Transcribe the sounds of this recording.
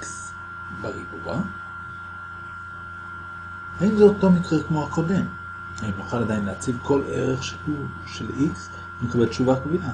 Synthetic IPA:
ks | beʁibṵa̰ | haimzot̪lo̞nikʁekmohako̞d̪e̞m | aimjuχalad̪ainleat͡sivko̞lʔḛʁeχʃi̥ku | ʃelʔiks | mekabelt͡ʃuvakbiʔa

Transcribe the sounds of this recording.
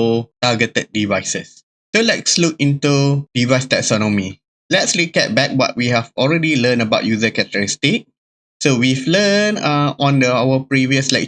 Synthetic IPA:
otaɡətət̚divaɪsəs | solɛtsluk̚ĩntud̥ivajstɛk̚sɔnɔmi | lɛtslukɛt̚bɛk̚wɔ̰t̚wiɦɛvɔlɹɛdilə̃nəbaʊt̚juzəkɛtəɹistik̚ | sowivlənãɔ̃ndəawəpɹiviəslɛ̰k̚

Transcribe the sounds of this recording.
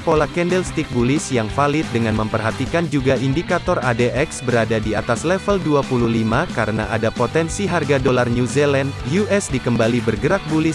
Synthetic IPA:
polakɛndɛlst̪ik̚bulɪsjaŋfalɪt̪̚dəŋanməmpərɦat̪ikand͡ʒuɡaʔindikat̪ɔradeʔɛksbəɾadadiat̪aslɛfəlduapuluhlimakaɾəna̰ʔadapot̪ɛnsiɦarɡadolarnjuzɛlɛndjuʔɛsdikəmbalibərɡəɾak̚bulɪs

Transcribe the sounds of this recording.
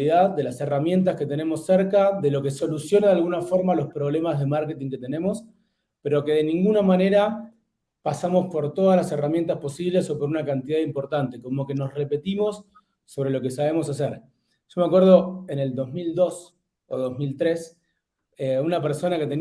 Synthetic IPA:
iðaðːe̞laseramje̞nt̪̬asket̪e̞ne̞mo̞sːɛɾkaðe̞lo̞keso̞lusjo̞naðalɣunafo̞ɾmalo̞spɾo̞βle̞mazð̞e̞maɾke̞t̪iŋke̞t̪e̞ne̞mo̞s | pe̞ɾo̞ke̞ðe̞nĩŋɡunamane̞ɾa | pasamo̞spo̞ɾt̪o̞ð̞alase̞ramje̞nt̪aspo̞siβle̞so̞poɾunakant̪iðaðimpo̞ɾt̪ant̪e̞ko̞mo̞ke̞no̞sre̞pe̞t̪imo̞sː | o̞βɾe̞lo̞ke̞saβe̞mo̞sas̬eɾ | ʒ̥o̞meakweɾð̞o̞ene̞ld̪o̞zmild̪o̞s | o̰ðo̞zmilt̪ɾes | eunapeɾso̞naket̪en

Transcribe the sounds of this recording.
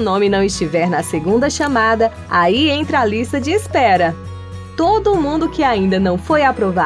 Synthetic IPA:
nõmɪnɐ̃w̃ɪst͡ʃivɛɾnɐseɡũnd̪ɐʃɐmad̪ɐ | aiẽnt̪ɾɐalist̪ɐd͡ʒɪːspɛɾɐ | t̪od̪ʊmũnd̪ʊkɪaĩnd̪ɐnɐ̃w̃fojapɾova

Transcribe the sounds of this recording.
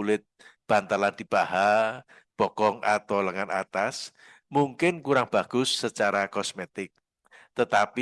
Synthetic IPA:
ulɪt̪̚b̥a̤nt̪aland̪̥i̤b̥aɦa | b̥ɔkɔŋʔa̰t̪ɔləŋanat̪as | muŋkɪnkuɾaŋb̥a̤ɡ̥ʊsːət͡ʃaɾakɔsmet̪ɪk̚ | t̪ət̪api

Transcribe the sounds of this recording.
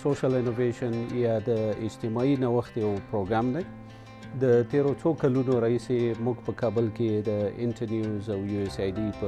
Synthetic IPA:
soʃalɪnoveʃanjɑd̪əɪd͡ʒt̪ɪmɑinawəxt̪jawpɾoɡɾamd̪aj | d̪ət̪eɾot͡sokalunoɾɑhisemuɡpəkɑbəlked̪əɪ̰nʈaɾnjuzawjuesajɖipə

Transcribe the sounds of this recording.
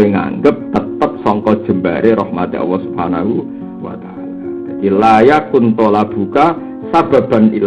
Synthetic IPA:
ɪŋa̰ŋɡəp̚t̪ət̪əp̚sɔŋkɔd̥ʒ̥ə̤mba̰ɾʔeɾɔhmat̪ḭʔɔ̰lːɔhsubhanaɦu | wa̰t̪a | lad̥ad̪̥ilajakunt̪olab̥uka | sab̥a̤b̥a̤nḭl

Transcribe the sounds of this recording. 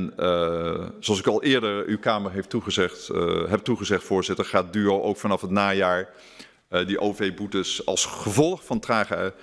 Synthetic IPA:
n | zoɑsɪkɑlˠʔɪːɹdəɹywkaːməɹɦejftuχəzɛχtɦɛp̚tuχəzɛχtfʊːɹzɪtəɹχaːt̚dyoʔowkfɑnɑfɦətnaːjaːɹ | diʔowvejbutəsɑ̰lˠsχəvɔlˠχfɑntraːχə

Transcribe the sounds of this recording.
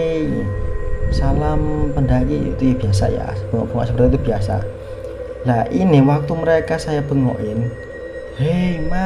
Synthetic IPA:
salampəndaɡḭt̪ujabiasa̰ja̰b̥əŋɔ̰ʔb̥əŋɔ̰ʔsəbəɾat̪it̪ubiasa̰ | laʔiniwak̚t̪uməɾekasajab̥əŋɔ̰ʔɪn | hejma

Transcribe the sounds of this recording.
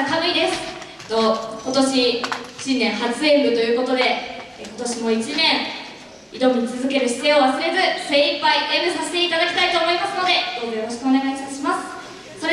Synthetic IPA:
k̪aɡɯ̟id̪e̞sɨ̥ | t̪ːo̞ko̞t̪o̞ɕiɕĩnːẽ̞ɰ̃ɦat͡sɨeɸɯ̟t̪o̞jɯ̟ːko̞t̪od̪e̞ | ko̞t̪o̞ɕimo̞it͡ɕinẽ̞ɰ̃ | id̪o̞mʲit͡sɨzɨke̞ɾɯ̟ɕi̥t̪eoβasɨɾe̞zɨseipːaiʔeɡɯ̟sase̥t̪e̞it̪ad̪akʲi̥t̪ait̪o̞ːmo̞imasɨno̞d̪e̞d̪oːɡɯ̟joɦoɕi̥kɯone̞ɡait̪at̪ɕimasɨ̥ | so̞ɾe

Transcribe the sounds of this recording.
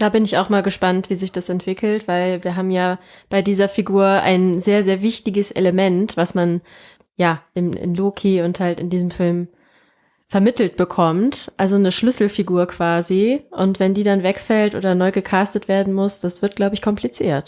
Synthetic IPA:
d̥aːbɪnɪçaʊxmaːlɡəʃpantv̥iːzɪçd̥asɛntv̥ɪkʰl̩tv̥aɪlviːɐɦaːbm̩jaːb̥aɪdiːzɐfiɡuːɐa̰ɪnzeːɐzeːɐvɪçtɪɡəsʔḛləmɛntv̥asman | jaːʔɪmʔɪ̰nloːkʰiʊnthaltɪndiːzəmfɪlm | fɛɐmɪtl̩t̚b̥əkʰɔmtʔalzonəʃlʏsl̩fiɡuːɐkv̥aːziʔʊntv̥ɛndiːdanvɛkfɛltʔo̰ːdɐnɔʏɡəkʰaːstətv̥eːɐdn̩mʊsd̥asv̥ɪɐt̚ɡ̥laʊbəɪçkʰɔmpʰlit͡sḭːɐt

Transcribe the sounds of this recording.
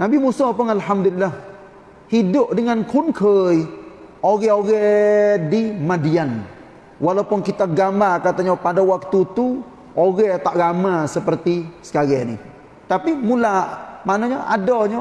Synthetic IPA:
nabimusɔpʊnalɦamd̪ulilːah | hidʊʔ̚dəŋankʰunkʰəjoɣɛoɣɛdimadian | walaupʊnkit̪aɡambarkat̪aɲapadawak̚t̪ut̪u | oɣɛt̪aʔɡamasəpərt̪isə̥kaɡɛnḭ | t̪apimulamanaɲaʔa̰dɔɲə

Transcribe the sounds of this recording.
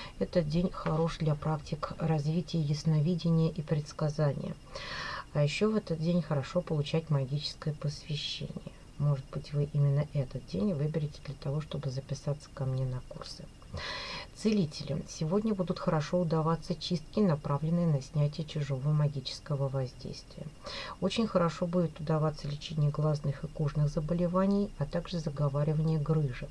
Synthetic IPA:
ɛt̪ədʲenʲxɐɾo̞ʂd̪lʲɐpɾaktʲɪkrɐzvʲitʲɪjəjɪsnɐvʲidʲɪnʲɪjəʔipɾʲɪt̪skɐzanʲɪ̰jə̰ | ɐjɪɕːo̞vɛt̪ət̪̚dʲenʲxəɾɐʂo̞pəlˠʊt͡ɕætʲmɐɡʲit͡ɕɪ̥skəjəpəsvʲɪɕːḛnʲɪ̰jə | mo̞ʐɨd̪̚bɨtʲvɨʔimʲɪnːəʔɛt̪ət̪̚dʲenʲvɨbʲɪɾʲɪtʲɪd̪lʲət̪ɐvo̞ʂt̪o̞bɨzəpʲɪsat̪sə̥kɐmnʲenɐkursɨ | t̪sɨlʲitʲɪlʲɪ̰sʲɪvo̞dʲnʲəbud̪ʊt̪xəɾɐʂo̞ʊd̪ɐvat̪sːət͡ɕist̪kʲɪnɐpɾavlʲɪnːɨjənɐsʲnʲætʲɪjət͡ɕɪʐo̞vəəmɐɡʲit͡ɕɪ̥skəvəvɐzʲdʲḛjst̪vʲɪjəo̞t͡ɕɪnʲxəɾɐʂo̞budʲɪt̪ʊd̪ɐvat̪sːəlʲɪt͡ɕenʲɪjəɡlˠɐznɨxɨkuʐnɨxzəbəlʲɪvanʲɪjɐt̪aɡʐɨzəɡɐvaɾʲɪvənʲɪjəɡɾɨʐɨ

